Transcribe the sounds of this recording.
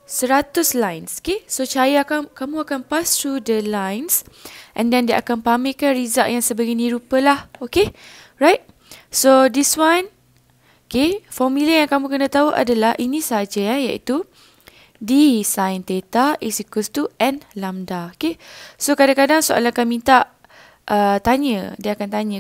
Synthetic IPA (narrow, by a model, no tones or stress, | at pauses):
səɾat̪ʊslajnso̥kesot͡ʃajakakamũakanpast̪ɾudəlajnsʔɛ̰̃ndɛ̃ndiʔa̰kanpamĩkanɹizaʔjaŋsəbəɡiniɾupəlahokeɹajt̚ | sodiswãn | okefɔmiləjaŋkamũkənə̃t̪auʔa̰dalahʔinĩsəɦad͡ʒaajaʔḭt̪u | disajnt̪et̪aʔiksikust̪uɛ̃nlamdaokesokadakadaŋsoʔa̰lakanmĩnt̪aʔ | ʔət̪aɲə̃diəakant̪aɲə̃